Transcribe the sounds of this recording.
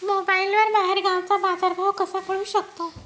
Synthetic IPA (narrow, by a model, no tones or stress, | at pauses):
mobailʋəɾbaɦeɾɡãw̃t͡sabad͡zaɾbʱawkəsakəɽũːɕəkt̪a